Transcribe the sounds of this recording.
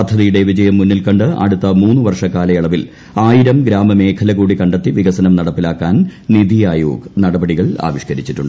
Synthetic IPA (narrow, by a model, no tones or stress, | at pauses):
ɐd̪ʱːɐðijuɽe̞ʋid͡ʑɐjɐmːunːilkɐɳɖɨɐ̰ɽut̪ːɐmuːnːɨʋɐrʂɐkaːlɐjɐɭɐʋil | aːjiɾɐmɡɾaːmɐme̞ːkʰɐlɐɣuːɽikɐɳɖɐt̪ːiʋiɡɐsɐnɐmnɐɽɐpːilaːkːaːnnid̪ijaːjo̰ːɡnɐɽɐbɐɽiɣɐɭa̰ːʋiʂkɐɾit͡ɕːiʈːuɳɖɨ